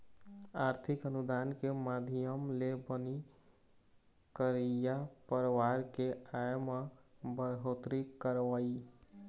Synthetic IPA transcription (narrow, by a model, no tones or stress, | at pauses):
aɾt̪ʰikənud̪ankemad̪ʱijəmlebəni | kəɾijapəɾʋaɾkeajməbəɾɦot̪ɾikəɾʋəi